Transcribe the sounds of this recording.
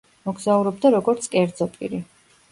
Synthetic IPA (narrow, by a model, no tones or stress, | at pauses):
mɔɡzauɾɔb̚d̪aɾɔɡɔɾt̪sʰkʼɛɾd̪zɔpʼḭɾi